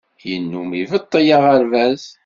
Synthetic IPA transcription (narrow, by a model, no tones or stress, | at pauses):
jənːumivət̪ˤːəjɑʁəɾvæz